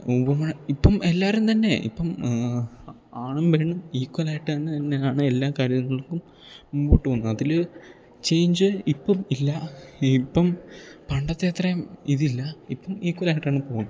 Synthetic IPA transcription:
ubɐmɐɳipːɐmelːaːɾumt̪ɐnːe̞ḭpːɐm | aːɳumʋe̞ːɳumiːkwɐlaːjiʈːɨɐnːɨt̪ɐnːeaːɳɨelːaːkaːɾjɐɐŋːɐɭkːum | puːʈːuʋɐnːuɐðil | t͡ɕe̞jɲd͡ʑɨipːɐmilːɐipːɐmpɐɳɖɐt̪ːeːt̪rɐjɐmiðilːɐipːɐmiːkwɐlaːjʈːaːɳɨpo̞ːunːu

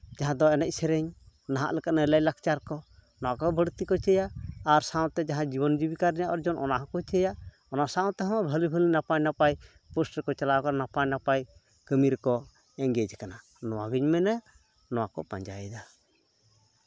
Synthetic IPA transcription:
d͡ʒaɦãd̪ɔɛnɛc̚ˀsɛɾɛɲ | naɦa̰ʔlɛkaʔ̪̚nɛlajlakt͡ʃaɾkɔnɔwakɔbəɽt̪ikɔt͡ʃɛjaːɾsaw̃t̪ɛd͡ʒaɦãd͡ʒibɔnd͡ʒibikaɾɛjaʔɔɾd͡ʒɔnʔɔnaɦãkɔt͡ʃɛja | ɔnasaw̃t̪ɛɦɔ̃wbʱəlibʱəlinapajnapaj | pusʈɾɛkɔt͡ʃalaɔkananapajnapaj | kəmiɾɛkɔ | ɛŋɡɛd͡ʒkana | nɔwaɡiɲmɛnɛ | nɔwakɔ̰pa̰ɲd͡ʒa̰jd̪a

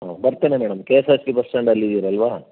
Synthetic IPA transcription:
ɦaːbɐɾt̪eːnemɛːɽɐmkeːsaːsʈipɐst͡ʃɐɳɖɐlːid̪iːɾeɐlʋaː

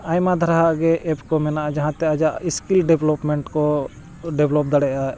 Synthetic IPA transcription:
ajmad̪ʱaɾaɦaɡɛʔɛpkɔmɛnaʔad͡ʒaɦãt̪ɛad͡ʒaʔiskilɖɛblɔpmɛɳʈkɔ | ɖɛblɔp̚d̪aɽɛʔa

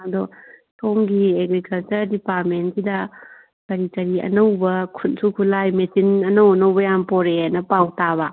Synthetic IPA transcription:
ɐdɔsoŋɡieɡɾikɐlt͡ʃɐɾdipaɾmentsidɐ | kɐɾitɐɾiɐ̰nɐwbɐkʰunsukʰulajmesinɐnɐwɐnɐwbɐjampɔɾeɦanɐpawtaβɐ

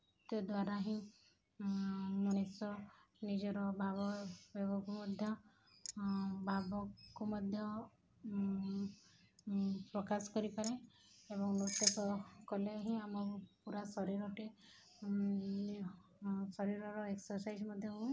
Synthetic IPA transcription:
t̪ed̪waɾaɦĩ | nɔnesɔ | nid͡ʒɔɾɔbʱabɔbebɔkumɔd̪ʱjɔ | bʱabɔkumɔd̪ʱjɔ | pɾɔkasɔ̥kɔɾipaɾeebɔŋnut̪ɔtɔkɔleaɦĩamɔɾpuɾasɔɾiɾɔʈe | sɔɾiɾɔɾɔeksɔɾsajd͡ʒmɔd̪ʱjɔɦuũ

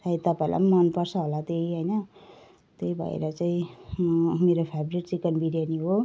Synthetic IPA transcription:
sait̪ʌpaĩlʔa̰mmʌnpʌrsʰʌɦolat̪eɦʌjnʌ | t̪ejbʱʌ̰ḛɾʌt͡saĩ | meɾopʰabɾiʈt͡sikʌnbiɾijaniɦo

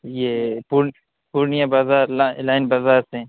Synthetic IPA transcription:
jeːpuɾ | puɾnijãbaːzaːɾlalaːɪnbaːzaːɾsẽ

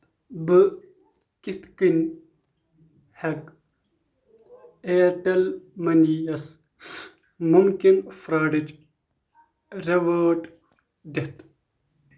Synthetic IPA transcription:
bɨ | kit̪kinʲ | hɐk | eːʈɐlmɐnijɐs | mumkinfɾaːɖid͡ʒ | ɾɐʋɐːʈ | d̪ɐt̪

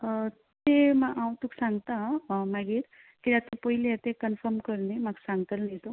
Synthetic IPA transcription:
t̪emaʔãw̃t̪uksãŋɡt̪amaɡiːɾ | kiɾat̪upoileat̪ekənfʰəɾmkəɾnemaksãŋɡ̚t̪əlnet̪u

